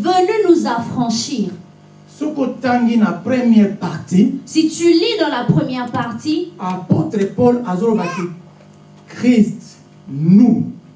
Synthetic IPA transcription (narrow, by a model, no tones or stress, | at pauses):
vənynuzafχɑ̃ʃiːʁ | sɔkotaŋɡinapʁɛmjɛʁpaʁtisit̪ylidɑ̃lapχəmjɛʁpaʁtiapotʁepɔlazolobake | kʁist | nu